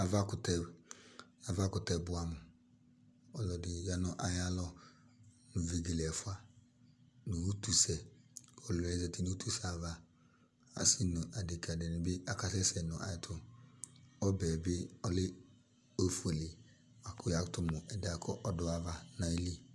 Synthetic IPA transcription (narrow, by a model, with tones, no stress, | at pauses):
a˨va˦kʊ˨tɛ˦ | a˨va˦kʊ˨tɛ˦bʊ˦a˨mʊ˨ | ɔ˨lɔ˨dɪ˨ja˨nɔ˦ʔa˨ja˦lɔ˦ | nʊ˨ve˨ɡe˨lɛ˨fʊ˦a˨ | nʊ˨u˦tu˨sɛ˨ɔ˨lʊ˨ɛ˦zɛ˨tɪ˦nu˦tʰu˦sa˨va˦ | a̰˨si˦nʊ˨ʔa˨de˨kʰa˨dɛ˨nɪ̃˨bɪ˦a˨ka˦sɛ˦sɛ˨nʊ˨ʔa̰˨ɪ˨tʰʊ˦ | ɔ˦bɛː˨bɪ˦ɔ˦lɪ˦ | o˦fu˦e˨lɪ˨ | wa˨kʰʊ˦ja˨ktʊ˦mʊ˨ɛ˨da˨kʰɔ˦ʔɔ˦dʊ˦a˨va˦na˨i˦li˦